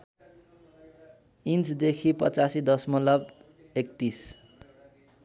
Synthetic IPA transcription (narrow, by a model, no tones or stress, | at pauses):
int͡sd̪ekʰipʌ̰t͡sasid̪ʌsmʌlʌb | ekt̪is